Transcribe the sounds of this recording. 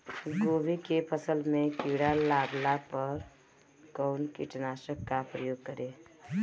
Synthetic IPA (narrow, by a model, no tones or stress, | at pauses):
ɡoːbikepʰəsəlmẽkiɽalaːɡlapəɾ | kɔʊnkiʈnaːʃəkːapɾəjoːɡ̚kəɾeː